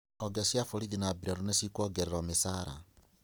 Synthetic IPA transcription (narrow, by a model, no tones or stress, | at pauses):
oɡesjafoɾiðinabiɾoɾonesikwoɡeɾeɾomesaɾa̰